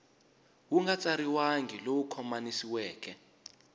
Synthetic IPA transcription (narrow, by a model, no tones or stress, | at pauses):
wuŋɡat͡sʼaɾiwaŋɡʱilowukʰɔmanisiwɛːkɛ